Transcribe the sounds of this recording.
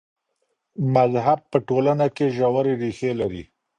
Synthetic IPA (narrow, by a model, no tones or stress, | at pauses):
mazɦab̚pəʈolanakeʒawaɾeɾixelaɾḭ